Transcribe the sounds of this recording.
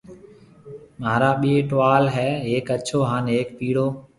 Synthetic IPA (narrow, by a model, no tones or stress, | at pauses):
maːɾaːɓiːeːʈʋaːlɦɛːɦeːkət͡ʃʰoːɦãːneːk̚piːɽoː